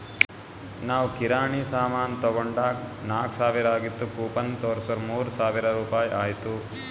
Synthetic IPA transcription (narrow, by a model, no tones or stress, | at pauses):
naːʋukiɾaːɳiːsaːmaːnt̪ɐɡoɳɖaːknaːksaːʋiɾaːɡit̪ːukuːpɐnt̪oːɾsɐɾmuːɾsaːʋiɾɐɾuːpaːjʔaːjt̪u